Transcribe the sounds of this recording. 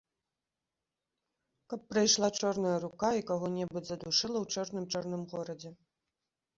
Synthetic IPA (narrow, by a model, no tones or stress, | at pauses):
kɐpːɾɐjʂlˠat͡ʂɔrnɐjɐɾukaikaɣɔnʲɛbɨd͡zʲzɐd̪uʂɨlˠɐwt͡ʂɔrnɨmt͡ʂɔrnɨmɣɔɾɐd͡zʲɛ